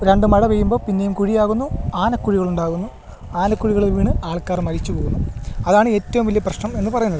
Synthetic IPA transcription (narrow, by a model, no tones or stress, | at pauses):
ɾeɳɖɨmɐɽɐʋejumbo̞ːpinːe̞jumkuɻijaːɣunːuaːnɐkːuɻiɣɐɭuɳɖaːɣunːu | aːnɐkːuɻiɣɐɭilʋiːɳɨaːɭkaːrmɐɾit͡ɕːupo̞ːɣunːuɐðaːɳɨe̞tːɐʋumʋɐlijɐprɐɕnɐme̞nːɨpɐrɐjunːɐðɨɨ